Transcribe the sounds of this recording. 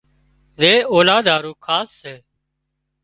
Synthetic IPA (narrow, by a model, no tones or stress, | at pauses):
ʋeːoːlaːd̪ʱaːɾuːkʰaːsːeː